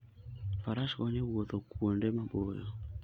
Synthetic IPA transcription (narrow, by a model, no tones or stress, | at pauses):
faɾaʃkɔɲewot̪okwondemabojɔ